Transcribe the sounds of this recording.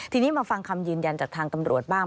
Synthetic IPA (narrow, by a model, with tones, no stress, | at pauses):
t̪ʰiː˧niː˦˥maː˧fa˧ŋkʰa˧mjɯː˧nja˧nt͡ɕaː˨˩k̚t̪ʰaː˧ŋt̪a˧mɾu˨˩ət̪̚baː˥˩ŋ